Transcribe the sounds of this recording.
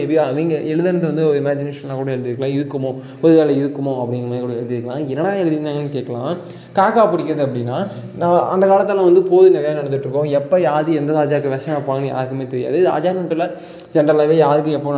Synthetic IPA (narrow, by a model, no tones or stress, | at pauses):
ɛaʋiːŋɡɐɛɻɯðɐnɐt̪ːɯʋɐnd̪ɯɔɾɯɪmaːd͡ʒɪneːʂɐnlaːkuːɽɐɛɻɯðɪɾɯkːɐlãːɪðɯkːɐmõ | pɔðɯʋaːlɐɪðɯkːɐmõɐpːɐɽɪŋɡɐmaːkuːɽɐɛɻɯðɪɾɯkːɐlãːɛnːɐnaːɛɻɯðɪnd̪aːŋɡɐnːɯkeːʈkːɐlãː | kaːkaːpɪɽɪkːɪɾɐðɯɐpːɐɽɪnːaːnãːɐnd̪ɐkaːlɐt̪ːɐlãʋɐnd̪ɯpoːðɯnɪɣɐjanɐɽɐnːɯʈːɾɯkːõːɛpːɐjaːðɯɛnd̪ɐðaːd͡ʒaːkːɐʋɐsɐj̃pːoːnɡɐnɯja̰ːðɯkːɯmeːt̪ɛɾɪja̰ːðɯa̰ːd͡ʒaːnɐʈːɯlɐ | d͡ʒɛnɾɐlaːʋeːjaːðɯkːʊ̃ɛpːoː